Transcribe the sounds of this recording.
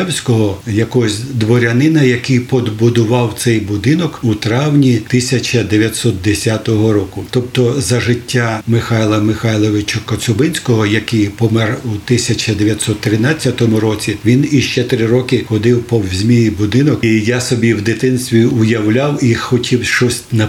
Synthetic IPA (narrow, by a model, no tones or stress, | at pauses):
ɛwsʲkɔɦɔjɐkɔɦɔsʲd̪ʋɔɾʲɐnɪnɐjɐkɪjpɔd̪bʊd̪ʊʋɑwt̪sɛjbʊd̪ɪnɔkut̪ɾɑwnʲit̪ɪsʲɐt͡ʃɐd̪eʋʲjɐt̪sɔt̪̚d̪esʲat̪ɔɦɔɾɔkʊt̪ɔpt̪ɔzɐʒɪtʲːamɪxɑjlˠɐmɪxɑjlˠɔʋɪt͡ʃɐkɔsʊbɪnʲsʲkɔɦɔjɐkɪjpɔmɛrut̪ɪsʲɐt͡ʃɐd̪eʋʲjɐt̪ʲsɔt̪ːɾɪnɑt͡sʲːɐt̪ɔmʊɾɔt͡sʲiʋʲiniʃt͡ʃɛt̪ɾɪɾɔkɪxɔd̪ɪwpɔwzʲmʲijibʊd̪ɪnɔkjasɔbʲiwd̪ɪt̪ɪnsʲt̪ʲʋʲiʊjɐwlʲawixɔtʲʰiwʃt͡ʃɔsʲtʲnɐ